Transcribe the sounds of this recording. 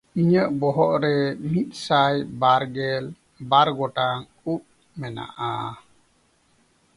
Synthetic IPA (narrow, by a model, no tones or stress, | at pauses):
iɲəʔbɔɦɔʔɾɛmit̪̚ˀsajbaɾɡɛl | baɾɡɔʈaŋ | up̚ | mɛna̰ʔa̰